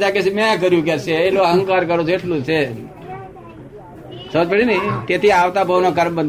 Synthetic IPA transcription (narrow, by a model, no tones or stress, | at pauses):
d͡ʒakesemẽk̬əɾjũk̬ɛseeloɦə̃ŋkaɾkəɾot͡ʃʰeʈʰlũt͡ʃʰe | səməd͡ʒpəɽinət̪et̪ʰiaʋt̪abʱəʋnok̬əɾmbə̃nd̪